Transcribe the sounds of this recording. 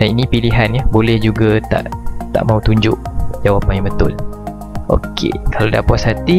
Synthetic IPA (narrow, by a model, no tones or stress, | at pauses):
daninĩpiliɦanjabolɛhd͡ʒuɡat̪a̰ʔt̪a̰ʔmãut̪uɲd͡ʒʊʔd͡ʒawapanjãŋbət̪ʊl | ʔo̰kʰḛkalawdia̰pɔsɦat̪i